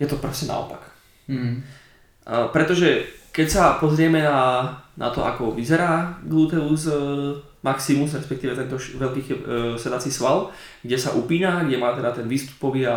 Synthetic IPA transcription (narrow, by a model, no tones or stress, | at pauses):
jɛt̪ɔpɾɔscɛna̰ɔ̰pak | pɾɛt̪ɔʒɛkɛcsapɔzɾɪɛmɛnanʔa̰t̪ɔʔa̰kɔʋizɛɾaːɡlut̪ɛuz | maksimuzɾɛspɛk̚t̪iːʋɛt̪ɛnt̪ɔʃʋɛlkiːxsɛd̪at͡sisʋal | ɡɟɛsaʔupiːnaɡɟɛmaːt̪ɛd̪at̪ɛnʋiːst̪u̥pɔʋiːa